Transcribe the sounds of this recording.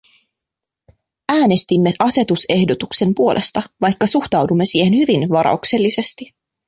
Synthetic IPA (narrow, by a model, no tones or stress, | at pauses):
æːne̞st̪imːeʔɑse̞t̪use̞hdo̞t̪ukse̞mpuo̞lʔe̞st̪ɑʋɑjkːɑsuxt̪ɑwdumːe̞siːhe̞nhyʋinʋɑɾɑ̰ukse̞lːise̞st̪i